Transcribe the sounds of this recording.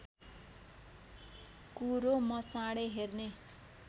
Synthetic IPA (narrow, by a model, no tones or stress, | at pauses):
kuɾomʌt͡saɽeɦerne